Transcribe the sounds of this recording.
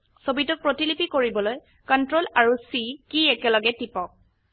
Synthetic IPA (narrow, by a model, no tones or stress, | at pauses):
sobitʊk̚pɹotilipikoɹibɔloj | kɔntɹolaɹusikiɛkɛlɔɡɛtipɔk̚